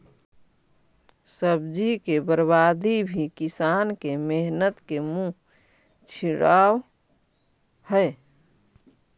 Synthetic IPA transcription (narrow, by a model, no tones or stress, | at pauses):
səbd͡ʒikebəɾbad̪ibʱikisankemeɦnət̪kemũ | t͡ʃʰiɽaw | həe